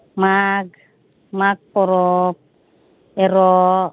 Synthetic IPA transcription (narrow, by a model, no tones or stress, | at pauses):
maɡ | maɡ̚poɾɔp̚ | eɾo